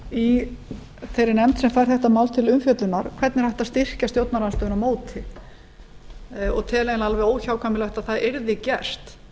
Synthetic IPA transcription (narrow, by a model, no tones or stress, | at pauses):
i | θejɾɪnɛmt̪sɛmfajɾ̥θɛht̪amaːwlt̪ʰɪlʏmfjœt̪lʏnaɾ̥kʰv̥ɛɾt̪nɪɾ̥hajht̪ast̪ɪr̥cast̪jowt̪naɾanst̪œːðnamoːwt̪ʰɪ | ɔɣt̪ʰɛːlejnalvɛoːwçawkʰamɪlœht̪aðθaðɛɾðɪcɛr̥t̪